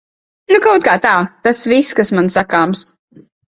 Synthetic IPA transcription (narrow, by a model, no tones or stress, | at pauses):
nukawt̪̚kaːt̪aːt̪asviskasmansakaːms